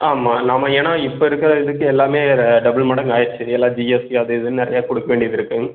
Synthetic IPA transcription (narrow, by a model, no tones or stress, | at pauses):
aːmaːnaːmːɐeːnaːɪpːoːɪɾɯkːɪɾɐɪðɯkːɯ̃ɛlːaːmeːɖɐbɐlmɐɽɐŋaːjɪɾt͡ʃːɯɛlːãːd͡ʒiesiɐðɯɪðɯnnɪɾɐ̰jaːkɔɽɯkːɐʋeːɳɖijɐðɪɾɯkːɯ̃ŋ